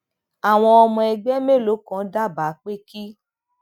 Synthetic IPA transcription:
a˨w̃ɔ̃˧ɔ˧mɔ̃˧ɛ˧ɡ͡bɛ˦me˦˨lo˨˦kɔ̃˨˦da˦˨ba˨˦k͡pe˦ki˦

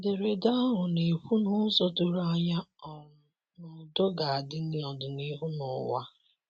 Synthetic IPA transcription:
dɪ˨ɾe˨da˦ɦʊ˨ne˨ɸu˦nʊ˦so˦tʊ˦ɾa˦ɲa˦ɔ˨ | nɔ˨do˦ɡa˨a˨dɪ˦n̩˦ɪ˦ɔ˨dʊ˨ni˦ɦu˦nʊ̰˨˦wa̰˦

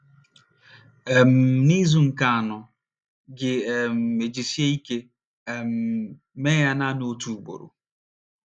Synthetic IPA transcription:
e˨m̩˨ni˦zu˨ŋ̩˨ka˨a˨nʊ˨ | ɡɪ˨m̩˨e˨d͡ʒi˨si˦e˦i˦ke˦˨ | m̩˨ | meː˦ja˦na˦no˦tu˨ɡ͡bo̰˨ɾo̰˨

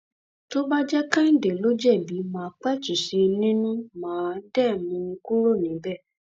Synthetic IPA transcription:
to˦ba˦d͡ʒɛ˦kã˦n̩˦˨de˨lo˦d͡ʒɛ˦˨bi˨˦mãː˨˦k͡pɛ˦t͡ʃu˨ʃe˧nĩ˦nũ˦mãː˨˦dɛ˦˨mũ˧ku˦ɾo˦˨nĩ˨˦bɛ˦˨

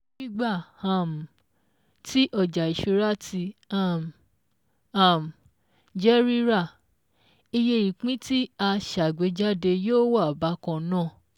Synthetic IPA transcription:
i˦ɡ͡ba˦˨hã˦˨m˨ | tʰi˦ʔɔ˦˨d͡ʒa˨i˨ʃe˧ɾa˦ti˧a˦˨m | a˨m˨ | d͡ʒɛ˦ɾi˦ɾa˦˨ | i˧je˧˨ɾi˨k͡pĩ˦ti˦a˧ʃa˨ɡ͡be˨˦d͡ʒa˦de˧joː˦˨wa˦˨ba˨˦kɔ̃˧˦nãː˦˨

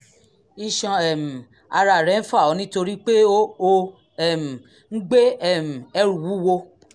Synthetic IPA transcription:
i˦˧ʃɔ̃˧ɛ˨m̩˨ | a˧ɾa˨ɾɛ˨˦n̩˦fa˦˨ɔ˨˧˦nĩ˦to˧ɾi˦k͡pe˦o˦o˧ | ɛ˦˨m̩˨ | ŋ̩˦ɡ͡be˦ɛ˦˨m̩˨ɛ˦ɾũ˨wu˦wo˧

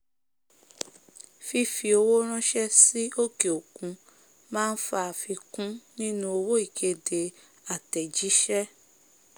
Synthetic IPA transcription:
fi˧fi˧o˧wo˦ɾ̃ã˦ʃɛ˦si˦o˦ke˨o˨kũ˨˧ | mãː˦n̩˦fa˧a˨fi˧kũ˦nĩ˦nũ˦o˧wo˦i˨kʰe˧de˧ | a˨tɛ˨d͡ʒi˨˦ʃɛ˦

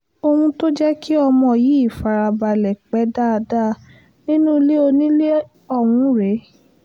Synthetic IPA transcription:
o˧hũ˧to˦d͡ʒɛ˦ki˦ɔ˧mɔ̃˧˨ji˨˦i˦˨fa˨ɾa˧ba˧˨lɛ˨k͡pɛ˨˦da˦˧da˦˨ | nĩ˦nũ˦˧˦le˦o˧nĩ˦le˦ | ɔ˧˨w̃ũ˧˦ɾe˨˦

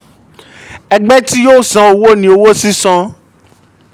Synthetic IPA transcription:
ɛ˧ɡ͡bɛ˦ti˦joː˦˨sã˨˦o˧wo˦nĩ˨˦o˧wo˦sĩ˦sɔ̃˧

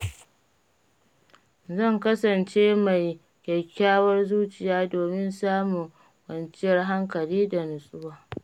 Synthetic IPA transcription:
zɐ˦˨ŋkɐ˦sɐ˨nt͡ʃeː˦ma˨j | kʲɛ˨kʲːaː˦wɐ˦rzuː˦t͡ʃɪ˨jaː˦doː˨mɪ˦nsaː˦mu˨ | wɐ˨nt͡ʃɪ˦jɐ˦rɦa˦ŋkɐ˨liː˦da˨nʊ˨sʼʊ˦waː˦

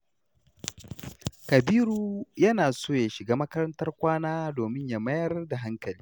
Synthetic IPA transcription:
kɐ˨biː˦ɾuː˦jɐ˦naː˨soː˦ja˨ʃɪ˨ɡaː˦mɐ˦kɐ˦ɾɐ˦ntɐ˦rkʷaː˦naː˦doː˨mɪ˦ɲja˦mɐ˦jɐ˦rda˨ɦa˦ŋkɐ˨liː˦

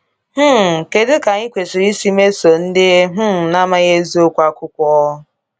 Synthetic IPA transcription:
h̩˦˨ke˨dʊ˦ka˨ŋi˦kʷe˨sɪ˨ɾi˦si˦me˦so˨n̩˦dɪ˦e˦ɦ̩˦˨na˦ma˦ɣe˦zo˦kʷa˦kʊ˦kʷɔ˦ɦɔ˦

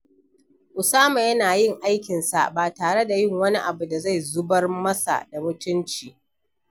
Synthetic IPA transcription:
ʔʊ˨saː˦ma˨jɐ˦naː˨jɪ˦ŋʔa˦jkʲɪ˨nsa̰˨ʔbaː˨taː˨ɽe˦da˨jɪ˦˨ŋwɐ˦ni˦ʔa˨bu˨da˨za˦˨jzʊ˦bɐ˦rmɐ˦sa̰˨da˨mʊ˦tʊ˦nt͡ʃiː˨

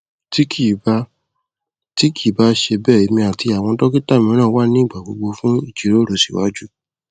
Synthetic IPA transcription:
ti˦ki˦˨ba˦ | ti˦ki˦˨ba˧˦ʃe˧bɛː˦˨i˨˦mĩ˧a˨ti˧a˨w̃ɔ̃˧tɔ˦ki˦ta˦˨mĩ˧˦ɾ̃ã˦˨˦wa˦nĩ˦i˦˨ɡ͡ba˨ɡ͡bo̰˨˧˦ɡ͡bo˧fũ˦i˦˨d͡ʒi˨˦ɾo˦ɾo˨si̥̰˨wa̰˨˦d͡ʒu˦

